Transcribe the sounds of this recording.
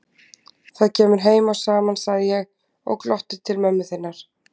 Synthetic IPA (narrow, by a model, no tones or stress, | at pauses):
θaðcʰɛːmʏɾ̥ɦeːjmawsaːmansaɣðɪjɛɣ | ɔ̰wklɔht̪ɪ̥t̪ʰɪlmɛmːʏθɪnːaɾ̥